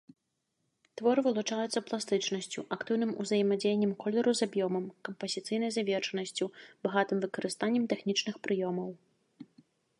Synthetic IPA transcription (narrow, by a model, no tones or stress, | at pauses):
t̪vɔɾɨvɨlˠut͡ʂajut̪sːɐplˠast̪ɨt͡ʂnɐsʲt͡sʲuʔakt̪ɨwn̪ɨmuzɐjmad͡zʲejenʲːɛmkɔlʲɛɾuzabjɔmɐmkɐmpɐzʲit̪sɨjnɐjzavʲɛrʂɐnɐsʲt͡sʲubaɣat̪ɨmvɨkɐɾɨst̪anʲːɛmt̪ɛxnʲit͡ʂnɨxpɾɨjɔmɐw